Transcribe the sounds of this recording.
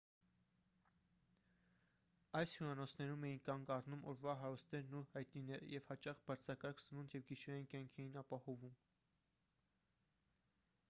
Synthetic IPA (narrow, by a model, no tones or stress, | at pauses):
ɑjshjuɑnɔt͡sʰnɛɾumɛjinkɑŋɡɑrnumɔɾvɑɦɑɾɔst̪nɛɾnuhɑjt̪ninɛɾə̰jɛvhɑt͡ʃɑχbɑɾt͡sʰɑkɑɾkʰsənunt̪ʰjɛvɡiʃɛɑjinkjɑŋkʰɛjinɑpɑhɔvum